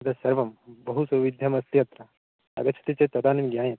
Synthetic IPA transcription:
ɐd̪ɐsɐɾʋɐmbɐɦusɐʋid̪ʱjɐmɐst̪jɐt̪ɾɐ | ɐ̰ɡɐt͡ʃʰɐ̥t̪it͡ʃet̪ɐd̪aːnimɡjãːjɐt̪

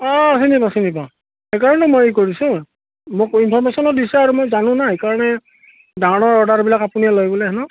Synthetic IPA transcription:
ɔsinipasinipã | hekaɹɔnɛtɛmojekoɹisʊ̃ | mokinpʰɔɹmesɔnɔt̚disɛaɹumojzanʊ̃nahekaɹɔnɛ | dawnɔɹɔdaɹbilakapuniɛlojbɔlɛɦɛnɔ

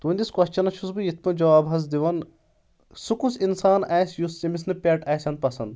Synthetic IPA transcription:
t̪uːnd̪iskɐst͡ʃɐnɐt͡ʃʰusbɨjit̪̚ʰmɐd͡ʒɐʋaːbɐz̬d̪iʋɐn | sukusinsaːnaːsʲjusːimis̬nɨpʲeʈɐːsʲjɐnd̪̚pɐsɐnd̪

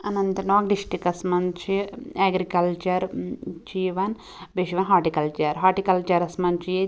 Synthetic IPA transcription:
ɐnɐnt̪ɐnoːɡɖiʃʈɾikɐsmɐnt͡ʃʰieːɡɾikɐlt͡ʃɐɾt͡ʃiʋɐn | beːʃiʋɐnɦaːʈikɐlt͡ʃɐɾɦaːʈikɐlt͡ʃɐɾɐsmɐnt͡ʃije

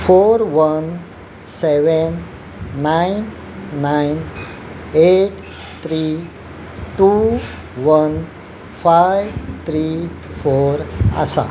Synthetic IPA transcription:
foɾʋən | seʋənː | ainː | ajn | eʈ | t̪ʰɾi | ʈu | ʋən | fajʋt̪ʰɾifoɾə̰sa̰

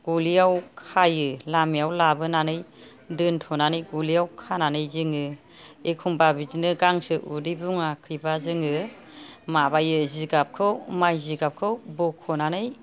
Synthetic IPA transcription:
ɡ̥ulijawkʰajɯlamijawlabɯnanɯj | dɯntʰɔnanɯjɡulijawkʰananɯjzɯŋɯ | ekʰuŋbabizinɯɡaŋsɯʔudibuŋakʰɯjbazɯŋɯ | mabajɯziɡap̚kʰɯwmajziɡap̚kʰɯwbɔkʰɔnanɯj

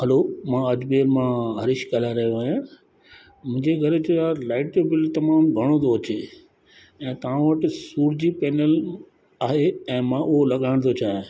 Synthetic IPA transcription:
ɦɐlomãɐd͡ʑbeːəɾmãɦɐɾɪʃkalaɾɐɦjoʋɐjã | mʊ̃ɪ̃ɲd͡ʑeɡʱɐɾd͡ʑoalaːɪʈd͡ʑobɪlt̪ɐmaːmɡʱɐɽ̃õd̪oɐt͡ɕe | ɛ̃ːt̪ɐʋ̤ãʋɐʈɪsuːɾd͡ʑipɛːnəl | aːɦeɛ̃ːmãʔʊɦolɐɠaːɪɽ̃t̪ʰot͡ɕaːɦɪ̃

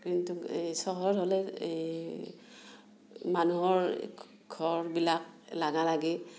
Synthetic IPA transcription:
kintusɔɦɔɔtɦolɛ | manuɦɔɹ | ɡ̥ʱɔɹbilak̚laɡalaɡɛ

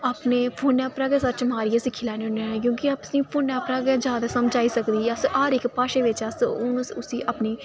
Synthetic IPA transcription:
apneːpʰoːnɛːpɾaːɡɛːsət̪t͡ʃmaːɾiesiːkʰɪlaːnonẽk̬jõːkiaːpsĩːpʰoːnɛːpɾaːɡɛd͡ʒjaːd̪aːsəmd͡ʒaːiːsəkd̪iːəsaːɾɪkpaːʃeːʋɪt͡ʃɐsʊnsʊsiːʔapniː

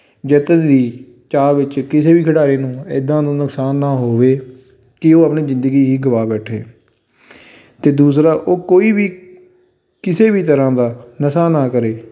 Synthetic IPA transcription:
d͡ʒət̪əd̪iː | t͡ʃaːʋɪt͡ʃkɪseːbiːkʰəɽaːɾeːnũːɪ̰d̪ãːd̪õːnʊksaːnːaːɦoːʋeː | kɪoːəpɳiːzɪ̃nd̪əɡiːɦiːɡəʋaːbɛːʈʰḛː | t̪eːd̪uːsɾaːʔoːkoːiːbiː | kɪseːbiːt̪əɾãːd̪aːnəsaːnaːkəɾeː

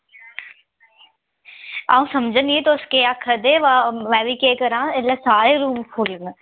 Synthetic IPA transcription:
a̰ːũːsɐmd͡ʒʱənet̪oʊskeakʰəd̪eʋaʋɛːʋikeːkəɾãːelasaːɾeɾuːmkʰolən

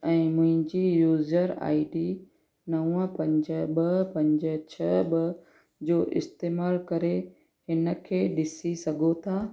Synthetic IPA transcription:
ɛ̃ːmʊ̃ɦɪ̃ɲd͡ʑijuːzəɾa̰ːɪɖi | nɐwə̃pɐ̃ɲd͡ʑəɓəpɐ̃ɲd͡ʑət͡ɕʰɐɓɐ | d͡ʑoːʔɪ̰st̪eːmaːlkɐɾe | hɪnə̆kʰeːɗɪsisɐɡʱot̪ʰaː

